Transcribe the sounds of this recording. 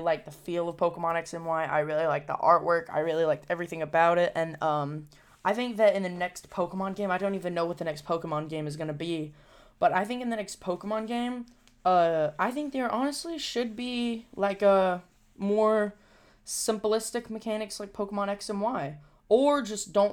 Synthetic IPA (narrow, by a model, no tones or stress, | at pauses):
laɪk̚ðəfilˠʌv̥pʰoʊkəmɑnɨksɨ̃nwaɪʔa̰ɪɹɪlˠilaɪk̚ðḭʔɑɹʔ̚wʔɜ˞ka̰ɪɹɪlˠilaɪk̚tʰɛvɹiθɪ̃ŋɨbaʊɾɪt̚ɨ̃nʌ̃m | ʔaɪθɪ̃ŋk̚ðɨɾɨ̃nðɨnɛkspʰoʊkəmɑ̃nɡẽɪ̃maɪɾõʊ̃ntivɨ̃nːoʊwʌt̪̚ðɨnɛkspʰoʊkəmɑ̃nɡẽɪ̃mɨzɡʌñɨbi | b̥ʌɾaɪθɪ̃ŋkɨ̃nðɨnɛkspʰoʊkəmɑ̃nɡẽɪ̃m | ʌaɪθɪ̃ŋk̚ðə˞ʔɑnɨstˡliʃɨd̚bilaɪkʌ | mɔɹ | sɪ̃mpəlɪstɨkmɨkʰænɨkslaɪk̚pʰoʊkəmɑñɨksɨ̃nwaɪ | ə˞d͡ʒʌsd̥õʊ̃n